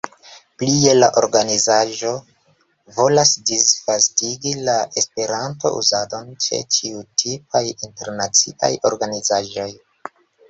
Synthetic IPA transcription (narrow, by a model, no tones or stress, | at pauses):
plie̞laʔo̞ɾɡanizaʒo̞ | vo̞lasdisfastiɡilaʔe̞spe̞ɾanto̞̰ʔṵzado̞nt͡ʃe̞̰t͡ʃiutʰipajinte̞ɾnat͡sḭʔa̰jo̞ɾɡanizaʒo̞j